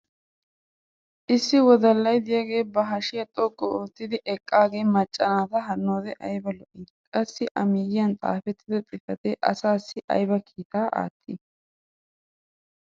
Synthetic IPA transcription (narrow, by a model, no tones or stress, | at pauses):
ʔɪsːɪwɔd̪ɐlːɐjd̪ɪjɐɡe̞ːbɐɦɐʃɪjɐt̪ʼɔkʼːɔoːt̪ːɪd̪ɪʔɛkʼːaːɡe̞ːmɐt͡ʃʼːɐnaːt̪ɐɦɐnːoːd̪ɛʔɐjbɐlɔʔiːd̪kʼɐsːɪʔɐmijɪɐnt̪ʼa̰ːfɛt̪ːɪd̪ɐt̪ʼɪfɐt̪ɛʔɐsaːsːɪʔɐ̰jbɐkʰiːt̪aːʔa̰ːt̪ʼːɪ